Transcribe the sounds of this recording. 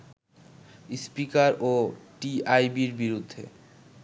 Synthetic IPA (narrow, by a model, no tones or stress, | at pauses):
spikaɾoʈiajbiɾbiɾud̪ʱːḛ